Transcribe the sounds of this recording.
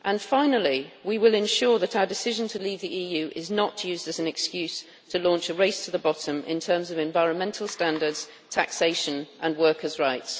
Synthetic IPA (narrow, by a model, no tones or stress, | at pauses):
ʔə̃nfãɪ̃nəl̩ˠiwiwɪlɪ̃nʃɔɹðəɾaʊədɪsɪʒə̃ntʰəliːvðiʔiːjʉːʔɪznəʔjʉːzəsə̃nɨkskjʉˑz̥ | tʰəlɔ̃ˑnt͡ʃəɹeɪstʰəðəbɒtə̃mɪ̰̃ntʰɜːmzʌvɛ̃ɱvaɪɹə̃nmɛ̃ntʰˡl̩ˠstæ̃ndə˞dz̥ | tʰæ̰kseɪʃə̃nʔə̃nwɜˑ˞kʰəzɹaɪts